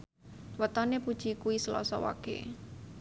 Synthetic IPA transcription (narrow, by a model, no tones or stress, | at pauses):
wət̪ɔnepud̥ʒ̥ikuisəlɔ̰sɔwa̰kḛ